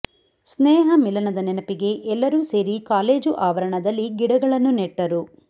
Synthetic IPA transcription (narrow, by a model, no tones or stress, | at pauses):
snɛːɦɐmilɐnɐd̪ɐnɛnɐpiɡe̞ʔɛlːɐɾuːse̞ːɾikaːle̞ːd͡ʒuʔaːʋɐɾɐɳɐd̪ɐlːiɡiɽɐɡɐɭɐnːuneʈːɐɾu